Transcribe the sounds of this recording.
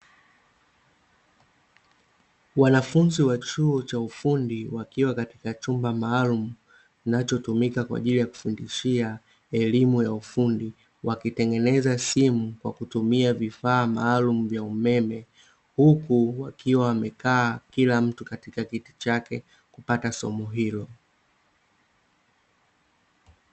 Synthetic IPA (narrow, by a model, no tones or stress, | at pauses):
wanafunziwat͡ʃuɔt͡ʃaufundiwakiwakatikat͡ʃumbamaːlumu | inat͡ʃɔtumikakwa̰ʄilijaku̥fundiʃia | ɛlimujaufundi | wakitɛŋɡɛnɛzasimukwa̰kutumiavifaːmaːlum̩vjaumɛmɛ | hukuwakiwawamɛkaːkilam̩tukatikakiti̥t͡ʃakɛ | kupatasɔ̰mɔɦilɔ